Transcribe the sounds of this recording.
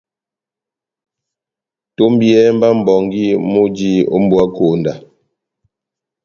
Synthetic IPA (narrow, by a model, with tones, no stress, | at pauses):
to˦m˦bjɛ˦m˦ba˦m̩˨bɔ˨ŋɡi˦mo˦d͡ʒi˦o̰˦m̩˦bwa˦ko˨nda˨